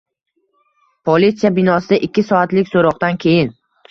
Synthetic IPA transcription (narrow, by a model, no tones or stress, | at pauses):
pʰolit̪sijabɪnɒsɪd̪aʔɪkʲːɪsɒat̪lɪkʲsoɾɒqt̪ankʲʰe̞jɪn